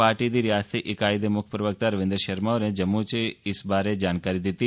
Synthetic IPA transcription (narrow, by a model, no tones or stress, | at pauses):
aːɾʈid̪iɾɪjaːst̪ʰiʔɪkaːɪd̪emʊkʰpɾəʋək̚t̪aɾɐʋɪ̃nd̪ɾəʃɐɾmaoɾed͡ʒɐmːut͡ʃeɪsbaːɾed͡ʒaːnkaːɾid̪ɪt̪i